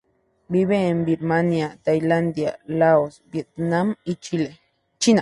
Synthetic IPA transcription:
biβembiɾmanjat̪ajland̪ja̰laosbjet̪̚namit͡ʃile | t͡ʃina

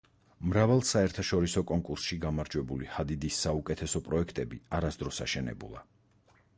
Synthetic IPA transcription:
mɾavɛlˠsaɛɾt̪ʰaʃɔɾisɔkʼɔŋkʼuɾsʃiɡamaɾd͡ʒwɛbulihad̪id̪isːaukʼɛt̪ʰɛsɔpʼɾɔɛkʰt̪ʼɛbḭaɾasd̪ɾɔsa̰ʃɛnɛ̰bṵlˠa̰

